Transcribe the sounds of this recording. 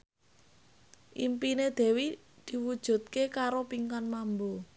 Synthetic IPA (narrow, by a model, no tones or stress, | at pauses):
ʔimpined̪̥e̤wi | d̪̥i̤wud̥ʒ̥ṳt̪̚kekaɾopiŋkanmambo